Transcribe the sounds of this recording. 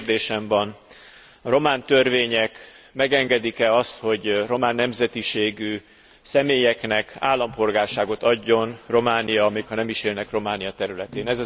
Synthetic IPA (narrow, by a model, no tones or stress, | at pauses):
rd̪eːʃɛmvɒn | ɒɾo̞maːnt̪ørveːɲɛk | mɛɡɛŋɡɛd̪ikɛɒst̪ho̞ɟro̞maːnːɛmzɛt̪iʃeːɡy | sɛmeːjɛknɛka̰ːlːɒmpo̞lɡaːrʃaːɡo̞t̪ɒɟːo̞nro̞maːnijɒmeːkhɒnɛmiʃeːlnɛkro̞maːnijɒt̪ɛɾylɛt̪eːnɛzɛ